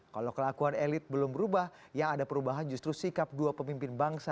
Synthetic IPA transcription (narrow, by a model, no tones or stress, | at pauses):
kalowkəlakuanelɪt̪̚bəlʊmbəɾubah | jaŋadapəɾubaɦand͡ʒust̪ɾusikap̚duapəmimpɪnbaŋsa